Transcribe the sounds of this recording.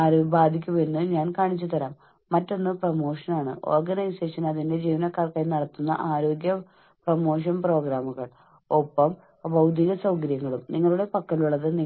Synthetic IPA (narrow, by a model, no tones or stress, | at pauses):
aːɾubaːd̪ʱikʲːumenːɨɲaːnkaːɳit͡ɕːut̪ɐɾaːmː | ɐtːo̞nːɨprɐmo̞ːʂɐnaːɳɨ̰ʔo̞̰ːrɡɐnɐjse̞ːʂɐnɐðinde̞d͡ʑiːʋɐnɐkːaːrkaːjnɐɽɐt̪ːunːɐ̰ʔaːɾo̞ːɡjɐ | prɐmo̞ːʂ̬ɐnpro̞ːɡɾaːmuɣɐɭ | opːɐm | bɐwd̪ʱiɣɐsɐwkɐɾjɐŋːɐɭumniŋːɐɭuɽe̞pɐkːɐluɭːɐðɨni